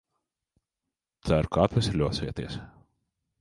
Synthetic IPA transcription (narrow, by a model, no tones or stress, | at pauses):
t̪sæɾukaat̪pɛsʲlʲuɔsiɛt̪iɛs